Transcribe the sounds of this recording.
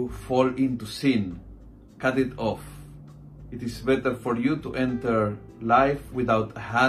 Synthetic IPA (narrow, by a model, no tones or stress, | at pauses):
fɔlĩnt̪usĩn | kat̪it̪ɔf | it̪isbɛt̪əɾfoɾjut̪uʔɛ̃nt̪əɾ | lajfwiðawt̪hã